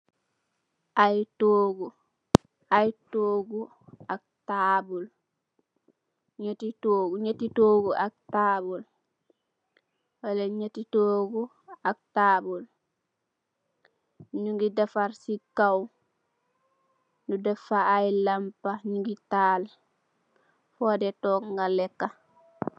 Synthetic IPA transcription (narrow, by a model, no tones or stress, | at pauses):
ʔajtoːɡu | ajtoːɡu | ak̚tabɔl | ɲotitoːɡuɲetitoːɡuʔak̚taːbɔl | walaɲetitoːɡu | ak̚taːbul | ɲuŋɡidafaɾsikaw | nudafaːjlampaɲuŋɡitaːl | fɔːdɛtɔŋɡalɛkːa